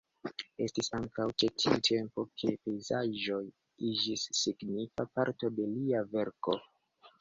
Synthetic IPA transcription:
e̞stisaŋkawt͡ʃe̞tʰiutʰe̞mpo̞kʰe̞pe̞jzaʒo̞j | id͡ʒisːiɡnifapaɾto̞de̞liave̞ɾko̞

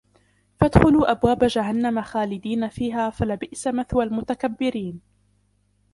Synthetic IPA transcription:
fad̪xʊluːʔabwaːbad͡ʒaɦanːamaxaːlɪd̪iːnafiːɦaːfalɪbɪʔsamaθwalmʊt̪akabːɪɾiːn

